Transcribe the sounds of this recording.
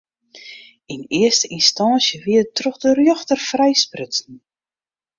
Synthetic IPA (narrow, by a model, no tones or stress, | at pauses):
inɪəstəinstɑnsjəʋiətrɔxdərjɔxtərfrɛjsprʏtən̩